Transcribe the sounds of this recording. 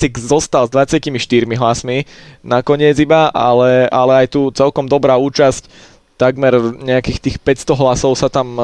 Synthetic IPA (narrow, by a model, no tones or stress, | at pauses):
siɡzɔst̪alzd̪ʋat͡sɪacimiʃt̪iɾmiɦlasminakɔɲɪɛd͡zibaʔalɛalɛajt̪uːt͡sɛlkɔmd̪ɔbɾaːuːt͡ʃasc | t̪aɡmɛɾɲɛakiːxt̪iːxpɛcst̪ɔɦlasɔʊsat̪am